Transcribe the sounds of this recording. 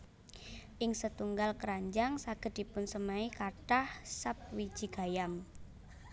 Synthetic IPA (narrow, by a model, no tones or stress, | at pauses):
ʔɪŋsət̪uŋɡalkəɾaɲd͡ʒaŋsaɡ̥ə̤d̪̚d̥ipʊnsəmaikaʈahsap̚wi̥d͡ʒ̥i̤ɡ̥a̤jam